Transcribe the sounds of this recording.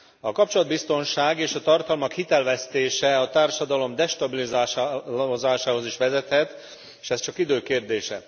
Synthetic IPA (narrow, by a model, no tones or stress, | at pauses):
ɒkɒp̚t͡ʃolɒd̪̚bist̪o̞nʃaːɡeːʃɒt̪ɒrt̪ɒlmɒkhit̪ɛlvɛst̪eːʃɛɒt̪aːrʃɒd̪ɒlo̞md̪ɛʃt̪ɒbilizaːozaːʃaːɦo̞ziʃʋɛzɛt̪hɛt̪ | eʃɛst͡ʃɒkid̪øːkeːrd̪eːʃɛ̰